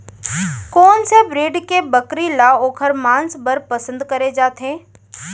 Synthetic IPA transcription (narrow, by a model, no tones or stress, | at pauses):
kɔːnsebɾeːɖkebəkɾilaoːkʰəɾmãːnsbəɾpəsə̃nd̪kɐɾed͡ʒaːt̪ɦẽː